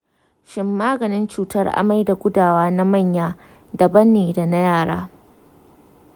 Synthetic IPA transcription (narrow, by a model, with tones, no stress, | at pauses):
ʃɪ˦mːaː˦ɡɐ˨nɪ˦nt͡ʃuː˨tɐ˦rʔa̰˨ma˦jda˨ɡʷʊ˦daː˨waː˦na˦ma˦˨ɲjaː˦ | dɐ˨bɐ˦nːeː˨da˨na˦jaː˦˨ɽa̰ː˦